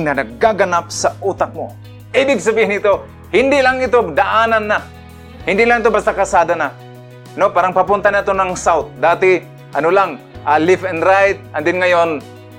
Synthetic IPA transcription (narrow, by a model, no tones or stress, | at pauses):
nɐnɐɡaɡɐnap̚saʔut̪ak̚mo | ʔiːbɪɡsɐbiːhɪnɪt̪o | hɪnd̪ɪlaŋɪt̪od̪aʔaːnanːa | hɪnd̪ɪʔlaŋɪt̪obast̪akasaːd̪ana | nopaːɾaŋpapʊnt̪anat̪onaŋsawt̪̚d̪aːt̪ɪ | ʔɐnolaŋʔalɪfɛnɾajt̪̚ɐnd̪ɪnŋɐjon